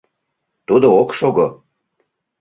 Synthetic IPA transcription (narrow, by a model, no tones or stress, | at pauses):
t̪ud̪ookʃoɡo